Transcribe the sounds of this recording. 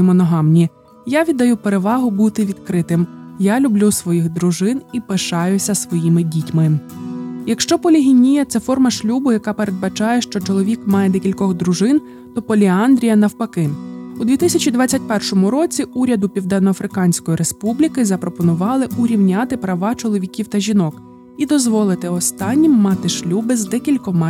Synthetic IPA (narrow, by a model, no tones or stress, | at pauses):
mɔnɔɦɑmnʲi | jaʋʲid̪ːɐjupe̞ɾe̞ʋɑɦʊbut̪ɪʋʲid̪kɾɪt̪ɪmjalʲʊblʲusʋɔjixd̪ɾʊʒɪnipeʃɑjʊsʲɐsʋɔjimɪdʲitʲmɪ | jɐkʃt͡ʃɔpɔlʲiɦʲinʲijɐt̪sɛfɔrmɐʃlʲubʊjɐkɑpe̞ɾed̪̚bɐt͡ʃɑjɛʃt͡ʃɔt͡ʃɔlˠɔʋʲikmɑjɛd̪ɛkʲilʲkɔɣd̪ɾʊʒɪn | t̪ɔpɔlʲiɑnd̪ɾʲijɐnɐwpɐkɪʊd̪ʋʲit̪ɪsʲɐt͡ʃʲid̪ʋɑt͡sʲːɐtʲpɛrʃɔmʊɾɔt͡sʲiuɾʲɐd̪ʊpʲiwd̪ɛnːɔɐfɾɪkɑnʲsʲkɔjiɾespublʲikɪzɐpɾɔpɔnʊʋɑlˠɪʊɾʲiwnʲat̪ɪpɾɐʋɑt͡ʃɔlˠɔʋʲikʲiwt̪ɐʒʲinɔk | id̪ɔzʋɔlˠɪt̪ɪɔst̪ɑnʲːimːɑt̪ɪʃlʲubɪzd̪ɛkʲilʲkɔmɑ